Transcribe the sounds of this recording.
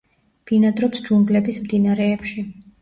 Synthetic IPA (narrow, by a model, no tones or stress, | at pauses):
b̥inad̪ɾɔpsd͡ʒuŋɡlɛbismd̪inaɾɛːpʃi